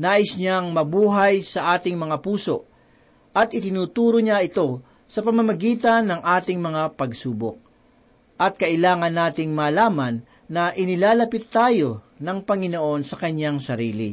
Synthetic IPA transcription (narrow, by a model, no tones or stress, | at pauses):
naːʔɪsɲaŋmɐbuːɦɐjsɐʔaːt̪ɪŋmɐŋapuːso̞̰ | ʔɐt̪ʔɪt̪ɪnuːt̪uːɾoɲaɪt̪o̞ | sɐpɐmɐmɐɡiːt̪ɐnːɐŋʔaːt̪ɪŋmɐŋapɐɡsuːbo̰k̚ | ʔɐt̪̚kɐʔɪlaːŋɐnːaːt̪ɪŋmaːlaːmɐnː | ɐʔɪnɪlaːlɐpɪt̪ːaːjo̞ | nɐŋpɐŋɪnoʔo̞nsɐkɐɲːaŋsɐɾiːlḭ